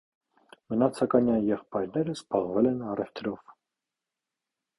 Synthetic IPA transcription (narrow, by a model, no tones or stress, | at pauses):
mənɑt͡sʰɑkɑnjɑnjɛχpɑjɾnɛɾəzbɑʁvɛlɛnɑrɛft̪ʰɾɔv